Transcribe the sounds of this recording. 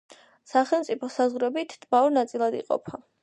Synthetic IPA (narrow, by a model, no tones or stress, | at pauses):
saχɛlˠmt̪sʼipʰɔsazʁɾɛbit̪ʰd̪maɔɾnat̪sʼilˠad̪ḭqʼɔ̰pʰa